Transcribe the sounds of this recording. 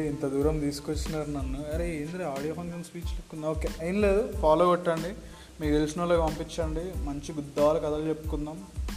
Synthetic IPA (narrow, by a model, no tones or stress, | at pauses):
int̪ɐd̪uːɾɐmt̪iːsu̥kot͡ʃːinaːɾunɐnːuɐɾeeːnd̪ɾeaːɽijoːpʰɐŋɡɐnspiːt͡ʃlikːund̪ɐoːkeːʔɐjinɐleːd̪upʰaːloːɡɐʈːɐɳɖi | meːɡd̪elusnɐloːkpɐmpit͡ʃːɐɳɖimɐɲt͡ʃiɡud̪ːaːlɐkɐd̪ɐlt͡ʃepːu̥kund̪aːm